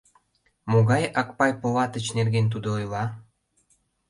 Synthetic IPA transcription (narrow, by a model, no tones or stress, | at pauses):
moɣɑjɑk̚pɑjpolɑt̪ət͡ɕnerɣent̪̬ud̪oojlɑ